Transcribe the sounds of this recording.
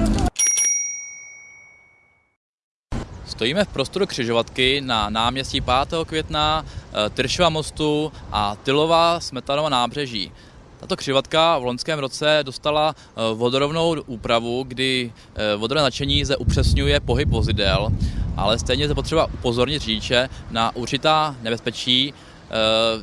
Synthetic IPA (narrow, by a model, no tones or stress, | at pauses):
st̪o̞jiːmɛfpɾo̞st̪o̞ɾukr̥ɪʒovat̪kɪnanaːmɲɛscipaːt̪ɛːɦokvjɛt̪nat̪ɪɾʃɪvamo̞st̪uʔat̪ɪlo̞vasmɛt̪anovanaːbrɛʒḭː | t̪ḁt̪o̞kr̥ɪvat̪kavloɲskɛːmɾo̞t͡sɛdo̞st̪ala | vo̞doɾovno̞wʔuːpɾavuɡdɪ | vodoɾvɛːzat͡ʃɛɲiːzdɛʔupr̝̥ɛsɲujɛpo̞ɦɪpvo̞zɪdɛlʔa̰lɛst̪ɛjɲɛzd̪ɛpor̥ɛbaʔupo̞zo̞ɾɲɪt̪riːt͡ʃɛnaʔuɾt͡ʃɪt̪aːnɛbɛspɛt͡ʃiː